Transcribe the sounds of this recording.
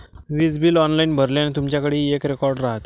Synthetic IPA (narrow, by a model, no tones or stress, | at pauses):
ʋid͡zbiːlɔnlainbʱəɾljanit̪umt͡ɕjakəɽiːekɾekɔɾɖɾaɦət̪